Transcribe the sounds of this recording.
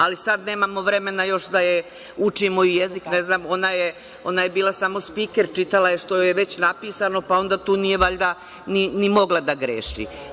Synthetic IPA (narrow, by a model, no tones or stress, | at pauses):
alisad̪ne̞ːmamo̞ʋɾe̞me̞najo̞ʃd̪aje | ut͡ʃimoijezikne̞znaːmo̞naje | o̞naje̞biːlˠasamo̞spiːkeɾt͡ʃit̪alajeʃt̪o̞jeʋe̞t͡ɕnapiːsano̞pao̞nd̪aːt̪uːnijeʋaʎd̪a | ninimo̞ɡlˠad̪aɡɾḛːʃḭ